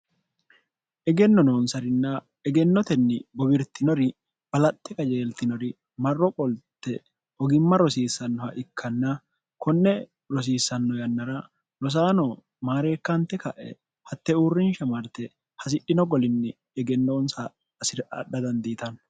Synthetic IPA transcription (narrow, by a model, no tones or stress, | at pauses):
ʔɛɡɛnːɔnoːnsɐɾɪnːɐ | ɛɡɛnːɔt̪ɛnːɪbɔbɪɾt̪ːɪnɔɾɪ | b̥ɐlɐt̪ːɛkʼɐd͡ʒe̞ːlt̪ɪnɔɾɪ | mɐrːɔkʼɔlt̪ːɛ | hɔɡɪmːɐɾɔsiːsːɐnːɔhɐʔɪkʰːɐnːɐ | kʰɔnːɛ | ɾɔs̬iːsːɐnːɔjɐnːɐɾɐ | ɾɔs̬aːnɔ | maːɾe̞ːkːɐnt̪ːɛkɐʔɛ̰ | hɐt̪ːɛuːrːɪnʃɐmɐɾt̪ɛ | hɐs̬ɪᶑːɪnɔɡɔlɪnːɛː | ɡɛnːoːnsɐ | ɐsɪɾʔɐ̰ɗːɐd̪ɐnd̪iːt̪ɐn